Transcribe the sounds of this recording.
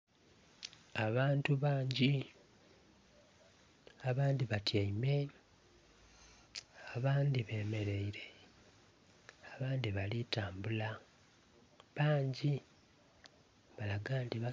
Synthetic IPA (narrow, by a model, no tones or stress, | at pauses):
aβaːntuβaːɲɟi | aβaːndiβatjaime̞ | aβaːndiβe̞ːme̞ɾe̞iɾe̞ | aβaːnd̪iβalitaːmbula | βaːɲɟi | βalaɡaːntiβa